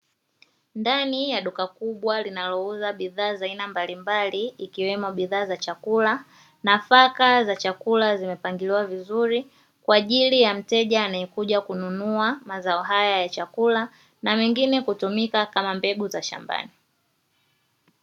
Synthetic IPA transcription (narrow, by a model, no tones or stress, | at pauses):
ndanijaɗukakuɓwalinalɔuzaɓiðaːzainambalimbaliːkiwɛmɔɓiðaːzat͡ʃakula | nafakazat͡ʃakulazimɛpaŋɡiliwavizuɾi | kwaːʄilijam̩tɛʄaːnajɛkuʄakununuamazaɔɦajajat͡ʃakula | namɛŋɡinɛkutumikakamambɛɡuzaʃa̰mba̰ni